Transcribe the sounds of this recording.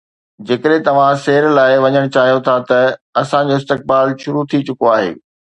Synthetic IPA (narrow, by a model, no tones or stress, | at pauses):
d͡ʑeːkəɗẽt̪ɐʋ̤ãseːɾlaːɪʋɐɲəɽ̃t͡ɕaːɦijot̪ʰat̪ɐɐsãd͡ʑoːɪst̪ɪk̚baːlʃʊɾut̪ʰit͡ɕʊkoaːɦḛː